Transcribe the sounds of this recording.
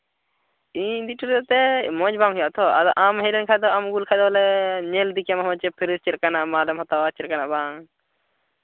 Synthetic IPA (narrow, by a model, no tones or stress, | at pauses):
id̪iʈuɾt̪ɛt̪ɛmɔ̃d͡ʒbaŋɦijaʔt̪ʰɔa̰d̪ɔʔamɦɛlɛnkʰad̪ɔamɡulkʰad̪ɔlɛɲɛld̪ikjamɦɔɔ̃t͡ʃɛpʰiɾist͡ʃɛɾkanaʔmalɛmɦɔt̪awat͡ʃɛɾkanaʔbaŋ